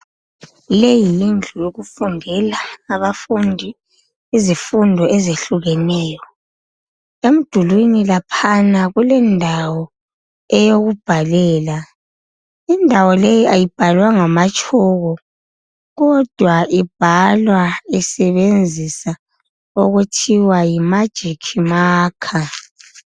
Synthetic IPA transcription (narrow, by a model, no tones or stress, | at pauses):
lejijind͡ɮʱujoɣufundʱɛlaːβafundʱi | izifundʱɔʔɛzeɬuɣɛnɛːjɔ | em̩d̥ʱulwinilapʰanaɣulɛndʱawɔ | ɛjoɣub̥ʱalɛːla | indʱawɔlejiʔajib̥ʱalwaŋamat͡ʃʼɔɣɔ | ɣɔd̥ʱwaʔib̥ʱalwaɛsɛβend͡zʱisa | oɣutʰiwajimad̥ʒ̥ʱikʰimaːkʰa